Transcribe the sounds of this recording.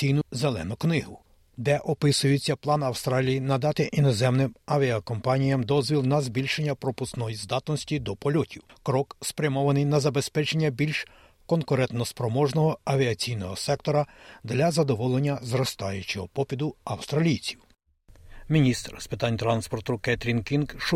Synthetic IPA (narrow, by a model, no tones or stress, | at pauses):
ijnʊzelˠɛ̰nʊknɪɦʊ | d̪ɛʔɔpɪsʊjet͡sʲːɐplˠɑnɐwst̪ɾɑlʲijinɐd̪ɑt̪ɪʔinɔzɛmnɪmɐʋʲiɐkɔmpɑnʲijɐmd̪ɔzʲʋʲilˠnɐzbʲilʲʃenʲːɐpɾɔpʊsknɔjizd̪ɑt̪nɔsʲtʲid̪ɔpɔlʲɔtʲiwkɾɔkspɾʲɐmɔʋɐnɪjnɐzɐbespɛt͡ʃe̞nʲːɐbʲilʲʃ | kɔnkʊɾɛnt̪nɔspɾɔmɔʒnɔɦɔɐʋʲiɐt͡sʲijnɔɦɔsɛkt̪ɔɾɐd̪lʲɐzɐd̪ɔʋɔlˠe̞nʲːɐzɾɔst̪ɑjʊt͡ʃɔɦɔpɔpʲid̪ʊɐwst̪ɾɐlʲijt͡sʲiw | mʲinʲist̪ɾspɪt̪ɑnʲt̪ɾɑnspɔrt̪ʊkɛt̪ɾʲinkʲinkʃ